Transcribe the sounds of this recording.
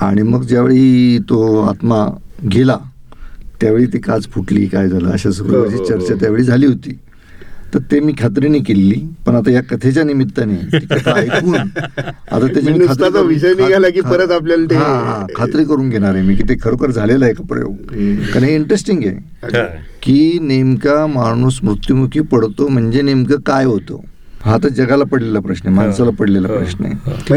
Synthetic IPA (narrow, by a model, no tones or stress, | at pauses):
a̰ɽ̃iməɡd͡ʑjaʋḛɭiːt̪oa̰t̪maɡʱela | t̪jaʋeɭiːt̪ekad͡zfʰuʈlḭːkajd͡zʱalə̰əɕasuɾṵʋəɾd͡ʑiːt͡ɕəɾt͡ɕat̪jaʋeɭiːd͡zʱaliːɦot̪iː | t̪əɾt̪emiːkʰat̪̬ɾinekelːiːpəɳ̃at̪ajakət̪ʰet͡ɕanimit̪ːanet̪ikət̪ʰaːjkuːna̰t̪at̪jat͡ɕamikʰat̪ɾiat̪aʋiɕəjniːɡʱalak̬iːəɾət̪ap̬ljalt̪eɦãɦã̰kʰat̪ɾiːkəɾuːnɡʱeɽ̃aɾemiːkiːt̪ekʰəɾəkəɾd͡zʱalelaekapɾə̰jo̰ɡkaɾɦeiɳʈɾesʈiŋɡḛ | kiːnemkamaɽ̃uːsmɾut̪jumukʰiːpəɽt̪om̤əɳd͡ʑenemkakajɦot̪o̰ | ɦat̪ad͡zəɡalapəɽlelapɾəɕɳəmansalapəɽlelapɾə̰ɕɳə̰